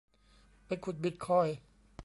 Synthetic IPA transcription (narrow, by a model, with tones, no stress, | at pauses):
pa˧jkʰu˨˩t̪̚bi˧t̪̚kʰɔː˧˥˩j